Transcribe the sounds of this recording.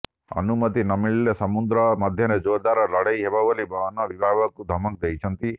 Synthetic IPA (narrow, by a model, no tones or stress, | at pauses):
ʌ̰numɔt̪inɔmiɭːjɔsɔmud̪ɾɔmɔd̪ʱjɔɾed͡ʒod̪aɾɔlɔɽejɦebabɔlibʱɔnɔbibʱabɔkud̪ʱɔmɔk̚d̪ejt͡ʃʰɔnt̪i